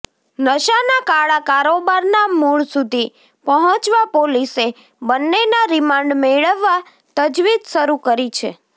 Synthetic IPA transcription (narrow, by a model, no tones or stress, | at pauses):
nəʃanakaɭakaɾobaɾnamuɭsud̪ʱi | pəɦɔ̃t͡ʃʋapolise | bənːenaɾɪmãɳɖmeɭəʋːa | t̪əd͡ʒʋid̪ʃəɾukəɾit͡ʃʰḛ